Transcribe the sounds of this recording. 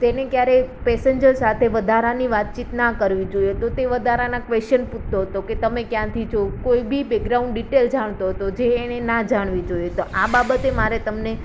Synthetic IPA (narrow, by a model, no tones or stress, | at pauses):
t̪enekjaɾepesəɲd͡ʒəɾsat̪ʰeʋəd̪ʱaɾaniʋat̪̚t͡ʃit̪nakəɾʋid͡ʒoijet̪ot̪eʋəd̪ʱaɾanakʋest͡ʃənput̪t̪oɦət̪oket̪əmekjãt̪ʰid͡ʒʰokoibibekɾaũɳɖɖiʈeld͡ʒaɽ̃t̪oɦət̪od͡ʒeːñenad͡ʒaɽ̃ʋid͡ʒoijet̪oʔababət̪emaɾet̪əmne